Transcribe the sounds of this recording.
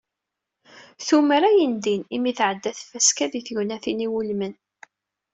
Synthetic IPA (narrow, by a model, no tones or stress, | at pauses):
θuməɾæjənd̪inimiθʕəd̪ːæθfæskæðiθʝnæθiniwulmən